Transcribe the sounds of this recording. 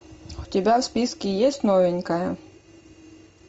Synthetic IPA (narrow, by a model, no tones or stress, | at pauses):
wt̪ʲɛbʲawspʲiskʲijɛsʲtʲnɔʋɛnʲkajɐ